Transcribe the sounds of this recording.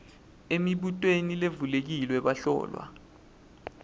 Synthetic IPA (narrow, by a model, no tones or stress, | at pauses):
emiɓutʼwenilevulek̬ilwɛɓaɬɔ̰ːlwa̰